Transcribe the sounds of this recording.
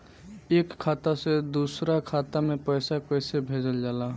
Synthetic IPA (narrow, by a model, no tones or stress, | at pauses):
eːkʰːat̪ased̪usɾakʰaːt̪amẽpəjsakəɪsebʱed͡ʒəld͡ʒaːla